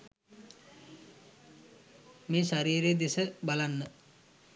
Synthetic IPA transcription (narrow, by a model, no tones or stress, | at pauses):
meːʃaɾiːɾed̪esəbalanːə